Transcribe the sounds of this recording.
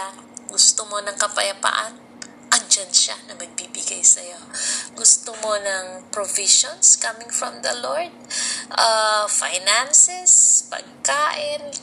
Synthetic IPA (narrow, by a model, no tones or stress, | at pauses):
a | ɡʊst̪omo̞nɐŋkɐpɐjɐpa̰ːʔɐn | ʔɐŋd͡ʒɐnʃa̰nɐmɐɡ̚bibɪɡa̰jsɐjo̞ɡʊst̪omo̞nɐŋpɹoviʃonskɐmɪŋfɹɐmd̪ɐloɹd̪̚ʔafajnansɛspɐ̰ɡ̚kaːʔɪn